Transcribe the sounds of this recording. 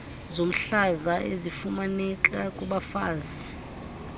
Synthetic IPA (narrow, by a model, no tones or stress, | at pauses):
zom̩ɬazaʔezifumanɛkʼakʼuɓafa̰ːzi